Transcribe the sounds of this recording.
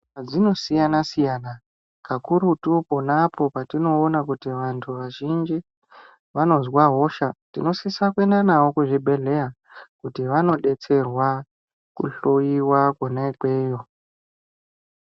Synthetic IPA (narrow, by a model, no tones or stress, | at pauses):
ad͡zino̞sijanasijaːna | kakuɾutupo̞napo̞patino̞ːnakutiʋantʰuʋaʒind͡ʒi | ʋano̞zwaɦo̞ʃatino̞sisakwenanawo̞kuʐibʱe̞ɮe̞a | kutiʋano̞ɗe̞t͡se̞rwa | kṵɬojiwakwonekweːjo̞